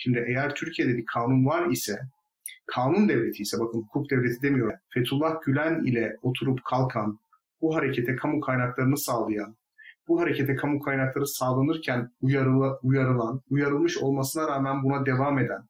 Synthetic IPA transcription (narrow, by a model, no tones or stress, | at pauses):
ʃimd̪iʔejæɾt̪ʰyɾcʰije̞d̪ɛbikʰaːnunvaɾisɛ | kʰaːnund̪ɛvlʲe̞t̪ʰiːsɛbakʰɯnhukʰuk̚d̪evlʲe̞t̪ʰid̪e̞mijo̞ɾfet̪ʰulˠːahɟylʲænḭlʲɛo̞t̪ʰuɾupkʰalˠkʰan | buɦaɾe̞cʰe̞t̪ʰɛkʰamukʰajnaklˠaɾɯnɯsaːlˠɯjan | buɦaɾecʰet̪ʰɛkʰamukʰajnaklˠaɾɯsaːlˠanɯɾcʰænujaɾujaɾɯlˠanujaɾɯlˠmɯʃo̞lˠmasɯnaɾaːmænbunad̪e̞vame̞d̪æn